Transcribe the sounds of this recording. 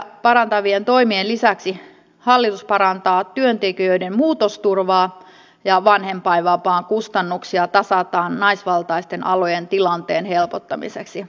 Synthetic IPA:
pɑɾɑnt̪ɑʋient̪o̞imienlisæksi | hɑlːit̪uspɑɾɑnt̪ɑːt̪yønt̪ekiøidemmuːt̪ost̪urʋɑː | jɑʋɑnhempɑiʋɑpɑːŋkust̪ɑnːuksiɑt̪ɑsɑt̪ɑːnnɑisʋɑlt̪ɑist̪enɑ̰lojent̪ilɑnt̪eːnhelpot̪ːɑmḭseksi

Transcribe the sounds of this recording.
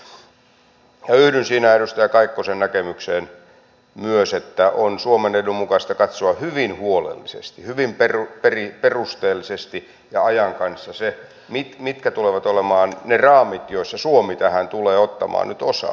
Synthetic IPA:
jɑyhdynsiːnæeɾust̪æjɑkɑikːosennækemykseːn | myøset̪ːæʔonsuomenedummukɑst̪ɑkɑt̪soɑhyʋinhuolḛlːisḛst̪ihyʋimperuperiperust̪eːlːisest̪i | jɑɑjɑŋkɑnsːɑse | mit̪mit̪kæt̪uleʋɑt̪olemɑːnnerɑːmit̪joisːɑsuomit̪æhænt̪uleːot̪ːɑ̰mɑ̰ːnnyt̪osɑ̰

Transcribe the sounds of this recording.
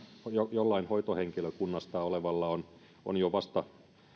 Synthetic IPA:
hjojolːɑinhoit̪oheŋkiløkunːɑst̪ɑoleʋɑlːɑon | o̰njoʋɑst̪ɑ

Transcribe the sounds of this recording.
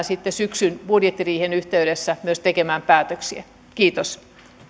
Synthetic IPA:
sit̪ːesyksynb̥udjet̪ːiriːhenyht̪eyɾesːæmyøst̪ekemæːmpæːt̪øksiæ | kiːt̪os

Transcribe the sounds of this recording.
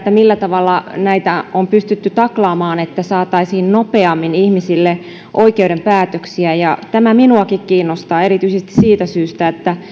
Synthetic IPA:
t̪ːæmilːæt̪ɑʋɑlːɑnæit̪æompyst̪yt̪ːyt̪ɑklɑːmɑːnet̪ːæsɑːt̪ɑisiːnnopeɑmːinihmisilːe | ʔoikeuɾempæːt̪øksiæjɑt̪æmæminuɑkikkiːnːost̪ɑːe̞ɾit̪yisest̪i̥ssiːt̪æsyːst̪æet̪ːæ

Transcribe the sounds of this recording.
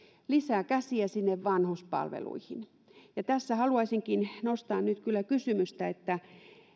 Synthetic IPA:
lisæːkæsiæsinːeʋʋɑnhospɑ̰lʋḛlṵihin | jɑt̪æsːæhɑluɑisiŋkinnost̪ɑːnnyt̪kylːækysymyst̪æet̪ːæ

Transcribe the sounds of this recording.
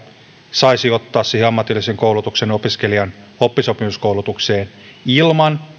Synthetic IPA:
sɑisiot̪ːɑːssiheɑmːɑt̪ilːiseŋkowlut̪uksenopiskeliɑnhopːisopimuskoulut̪ukse̞ːn | ilmɑn

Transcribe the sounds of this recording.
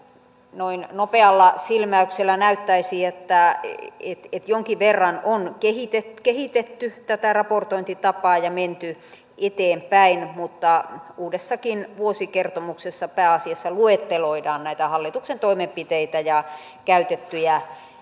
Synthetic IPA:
noinnopeɑlːɑsilmæykselːænæyt̪ːæisiet̪ːæet̪et̪joŋkiʋʋerːɑnonkehit̪et̪kehit̪et̪ːyt̪æt̪ærɑport̪oint̪it̪ɑpɑːjɑment̪y | et̪eːmpæinmut̪ːɑuːdesːɑkinʋuosikert̪omuksesːɑpæːɑsiɑsːɑluet̪ːeloidɑːnnæit̪æhɑlːit̪uksent̪oimempit̪eit̪æjɑ | kæyt̪et̪ːyjæ

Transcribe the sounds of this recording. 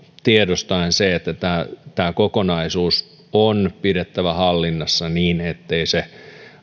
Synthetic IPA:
t̪iedost̪ɑinseet̪ːæt̪æːt̪æːkokonɑisuːs | onpiɾet̪ːæʋæhɑlːinːɑsːɑniːnet̪ːeise

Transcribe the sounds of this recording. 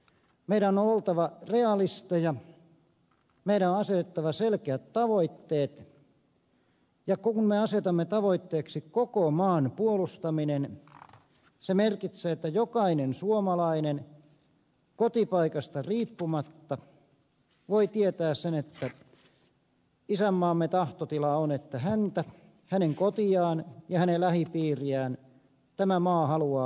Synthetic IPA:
meiɾænːoolt̪ɑʋɑreɑlist̪ejɑ | meiɾænonɑset̪et̪ːɑʋɑselkeæt̪t̪ɑʋoit̪ːeːt̪ | jɑkkunmeɑset̪ɑmːet̪ɑʋoit̪ːeːksikokomɑːnpuolust̪ɑminen | semerkit̪seːet̪ːæjokɑinensuomɑlɑinen | kot̪ipɑikɑst̪ɑriːpːumɑt̪ːɑ | ʋoit̪iet̪æːssenet̪ːæ | isæmːɑːmːet̪ɑht̪ot̪ilɑonet̪ːæhænt̪æ | hæneŋkot̪iɑːnjɑhænelæhipiːriæːn | t̪æmæmɑːhɑluɑː

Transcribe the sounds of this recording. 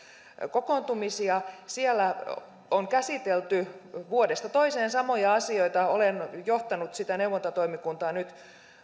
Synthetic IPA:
kokont̪umisiɑsielːæ | oŋkæsit̪elt̪yʋuodest̪ɑt̪oiseːnsɑmojɑɑsioit̪ɑolenjoht̪ɑnut̪sit̪ænewʋːont̪ot̪oimikunt̪ɑːnyt̪

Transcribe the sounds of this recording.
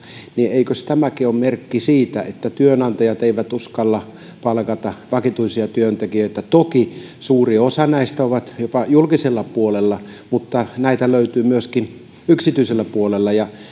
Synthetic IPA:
nieikøst̪æmækiommerkːisiːt̪æ̰ʔet̪ːæt̪yønɑnt̪ɑjɑt̪eiʋæt̪uskɑlːɑ | pɑlkɑt̪ɑʋɑkit̪uisiɑt̪yønt̪ekijøˑit̪æt̪oki | suːriosɑnæist̪æoʋɑt̪jopɑjulkiselːɑpuolelːɑmut̪ːɑnæit̪æløyt̪yːmyøskin | yksit̪yiselːæpuolelːɑjɑ

